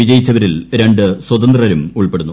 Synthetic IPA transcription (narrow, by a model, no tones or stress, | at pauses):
id͡ʑɐjit͡ɕːɐʋɐɾilɾe̞ɳɖɨswɐd̪ɐnd̪rɐɐɾumuɭpe̞ɽunːu